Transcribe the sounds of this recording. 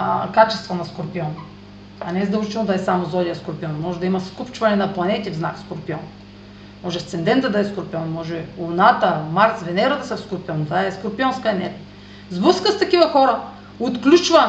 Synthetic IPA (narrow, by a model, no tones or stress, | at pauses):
kat͡ʃɛst̪vɐnɐskʊɾpiɔn | ɐnɛzd̪ɐlˠʒit͡ʃɛlnʊd̪ɐɛsamozɔd̪ʲijɐskʊɾpiɔnmɔʒɛd̪ɐimɐskupt͡ʃvɐnɛnɐplˠɐnɛt̪ivznakskoɾpiɔn | mɔʒɛft̪sɛnd̪ɛnt̪ɐd̪ɐɛskʊɾpiɔnmɔʒɛʊnat̪əmaɾt̪svɛnɛɾɐt̪ɐsɛfskʊɾpiɔnt̪vaɛskʊɾpiɔnskənɛt̪ | zbɤskəst̪ɐkivɐxɔɾə | ot̪klʲut͡ʃvɐ